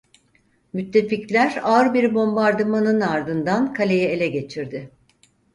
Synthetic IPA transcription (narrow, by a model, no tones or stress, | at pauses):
myt̪ʰːe̞ficlʲæɾaɯɾbiɾbo̞mbaɾd̪ɯmanɯnaɾd̪ɯnd̪ankʰalʲe̞jɛelʲɛɟe̞t͡ʃʰiɾd̪ɪ